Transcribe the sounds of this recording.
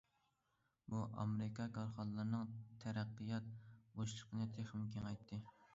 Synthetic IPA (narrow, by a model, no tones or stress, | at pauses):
buʔɑ̰mɾɪkʰɑkʰɑɾχɑnəlˠɨɾnɨŋt̪ʰæɾæqːɨjɑt̪̚boʃlˠəqʰənɨt̪ʰeχɪmkʲʰeŋɑjt̪ʰːɨ